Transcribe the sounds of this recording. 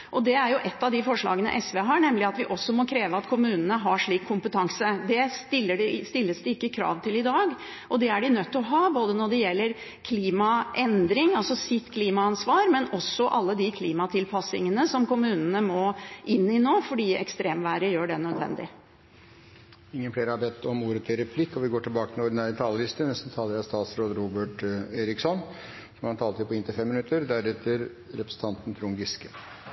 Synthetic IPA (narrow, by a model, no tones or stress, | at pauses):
ʔɔd̪ɛæɾjʊʔɛt̪ːɑʋd̪ɪfɔʂɭɑ̰ːɡənə̰ʔɛsʋeːɦɑɳɛmlɪɑt̪ʋɪʔɔsːɔmɔkʰɾeːʋəɑt̪kʰʊmʉːnənəɦɑʂɭiːkʰːʊmpət̪ʰɑŋsəd̪ɛst̪ɪlːəɖst̪ɪlːəsd̪ɛɪkːəkʰɾɑ̰ːʋt̪ʰɪlɪd̪ɑːɡ | ʔɔd̪ɛæɖɪnœt̪ʰːɔɦɑːboːd̪ənɔɖɛjɛlːəɾ | kʰliːmɑʔɛnd̪ɾɪŋɑlsɔsɪt̪ːkʰliːmɑɑnsʋɑːɾmɛnɔsːɔʔɑlːəd̪ɪkʰliːmɑt̪ʰɪlpʰɑsɪŋənəsɔmkʊmʉːnənəmɔʔɪnːɪnoːfɔɖiːɛ̰kst̪ɾeːmʋæːɾəjøːɖɛnœd̪ʋɛ̰nd̪ɪ̰ | ɪŋːənfleːɾəhɑɾbɛt̪ʰːɔmuːɾət̪ʰɪɾɛpʰlɪkːɔʋɪɡoːʈʰɪlbɑːkət̪ɪɔɾɖɪnæːɾət̪ʰɑːləlɪst̪ənɛst̪n̩t̪ʰɑːlːəɾjæɪst̪ɑːt̪sɾoːd̪əɾuːbəʈeːɾɪksɔn | sɔmhɑnt̪ʰɑːlt̪ɪpɔɪnt̪ɪfɛmːɪnʉt̪ːəɾd̪æɾɛt̪ʰːəɾ | ɾɛpɾəsət̪ʰɑnt̪ən̩t̪ʰɾʊŋɡɪskə